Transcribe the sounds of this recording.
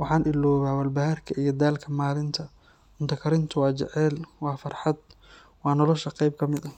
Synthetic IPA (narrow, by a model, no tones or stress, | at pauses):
wɑħɑːnʔɪlɔːβaːwɐlbɐɦɐrkʰɐʔijɞd̪aːlkʰɐmaːlɪnt̪ʰɐ | mʊnt̪ʰɐkʰɐɾɪnt̪ʰʊwɑːt͡ʃɛ̰ʕɛːlwɑːfɑrħɑd̪̚ | wɑːnɔlɔʃɐqɑjb̚kʰɐmɪd̪ɐ